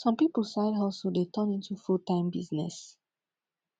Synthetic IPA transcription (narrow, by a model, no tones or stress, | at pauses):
sɔ̃mpipl̩ˠsaɪdɔlˠsodetʰə̃nĩntufultãɪ̃mbiznɛ̰s